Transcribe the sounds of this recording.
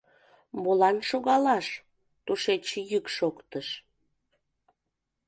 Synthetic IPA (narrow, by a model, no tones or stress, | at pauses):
molɑnʃoɣɑlɑʃ | t̪uʃet͡ɕjykʃokt̪əʃ